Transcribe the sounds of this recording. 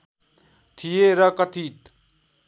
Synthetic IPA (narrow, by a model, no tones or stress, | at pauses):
t̪ʰijeɾʌkʌt̪ʰit̪